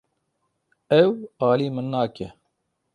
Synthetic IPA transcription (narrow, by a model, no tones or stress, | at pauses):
ɛwaːliːmɨnːaːkɛ